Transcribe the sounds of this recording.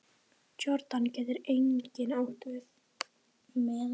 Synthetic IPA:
t͡ɕɔɾt̪ancɛːt̪ɪɾejɲcɪnowht̪vɪθ | mɛ

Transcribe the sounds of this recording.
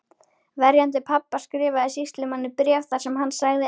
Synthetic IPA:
vɛɾjant̪̬ɪpʰapːaskɾɪːvaðɪsist̪lɪmanːɪpɾjɛvθasɛmɦanːsaɣðɪ

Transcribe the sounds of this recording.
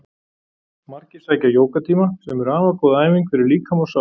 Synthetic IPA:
maɾ̥cɪ̥saːjcajoːwkat̪ʰiːmasɛmɛɾaːvakɔðaːjviŋkfɛɾɪɾliːkʰamɔsa

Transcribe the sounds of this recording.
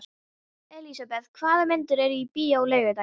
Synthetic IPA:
ɛlisapɛð̥kʰvaːðamɪnt̪ʏɾɛɾʏipiːawleːɥvɪt̪a

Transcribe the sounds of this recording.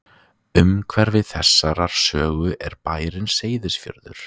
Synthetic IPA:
ʏmkʰvɛɾvɪðθɛsːaɾaɾ̥sœːɣʏʔɛɾpaːjɾɪnseːjðɪsfjœ̰ɾðʏɾ̥

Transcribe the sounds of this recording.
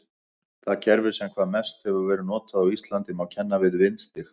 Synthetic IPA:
θaðcɛɾvɪ̥sɛmkʰv̥aːðmɛst̪hɛvʏɾvɛːɾɪnɔːt̪aðawist̪lant̪ɪmawcʰɛnːavɪðvɪnst̪ɪx

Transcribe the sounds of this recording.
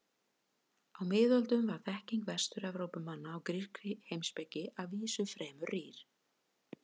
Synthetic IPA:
awmɪːðɔlt̪ʏmvaɾ̥θɛhciŋkvɛst̪ʏɾɛvɾowpʏmːanːaːwkɾirkɪhejmspɛcːɪʔaviːsʏfɾɛːmʏriːɾ̥

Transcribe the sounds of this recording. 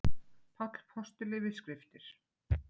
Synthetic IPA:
pʰakɾ̥pʰɔst̪ɪlɪvɪðskɾɪft̪ɪɾ̥

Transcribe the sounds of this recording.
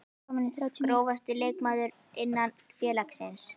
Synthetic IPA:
kɔmɪnɪθɾawt̪ʰɾoːwvast̪ɪleːjkmaːðʏɾ | ɪnːan | fjɛːlaksɪns

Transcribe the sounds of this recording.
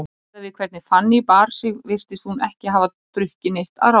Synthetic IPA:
avɪðkʰv̥ɛt̪nɪfanːɪipaːɾ̥sɪɣvɪr̥t̪ɪst̪hunɛhcɪɦaːva | t̪ɾʏhcɪneht̪a̰ðɾa

